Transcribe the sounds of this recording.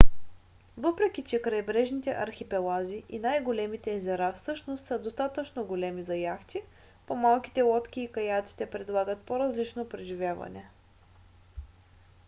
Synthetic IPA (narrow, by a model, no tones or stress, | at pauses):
vɤpɾɛkʲit͡ʃɛkɾɐjbɾɛʒnit̪ɛʔɐɾxʲipɛlˠaziʔinajɡolɛmit̪ɛːzɛɾafsɤʃnost̪səd̪ost̪at̪ət͡ʃnoɡolɛmizɐjaxt̪i | pomalˠkʲi̥t̪ɛlˠɔt̪kʲiːkɐjat̪si̥t̪ɛpɾɛd̪lˠaɡət̪̚poɾɐzlit͡ʃnopɾɛʒivʲjavɐ̰nɛ